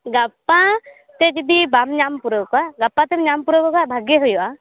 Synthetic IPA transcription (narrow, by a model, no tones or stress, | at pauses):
ɡapa | t̪ɛd͡ʒid̪ibamɲampuɾɔkaɡapat̪ɛmɲampuɾɔkɔkabʱaɡeɦujɔʔa